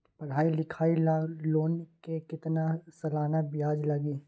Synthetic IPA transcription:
pɐɽ̤ɦaːilɪkʰaːilaloːnkekɪt̪nasɐlaːnabɪaːd͡ʒlɐɡeː

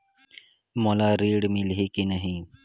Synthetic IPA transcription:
molaːɾeːɽmɪlɦekinəɦĩ

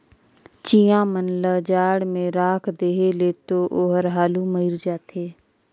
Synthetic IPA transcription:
t͡ʃijãːmənləd͡ʒaːɽmẽɾaːkʰd̪eːɦelet̪oʔoːɦəɾɦaːluməɪɾd͡ʒaːt̪ʰeː

